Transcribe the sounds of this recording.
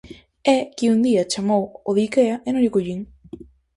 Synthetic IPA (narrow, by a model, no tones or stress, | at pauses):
ɛkiund̪iɐt͡ʃamowoðikeɐenõŋʎɪkuʎiŋ